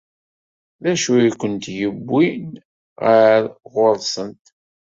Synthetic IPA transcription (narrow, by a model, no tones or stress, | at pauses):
ðæʃuikʷənt̪jəbːin | ʁəɾʁʊɾˤsˤənt̪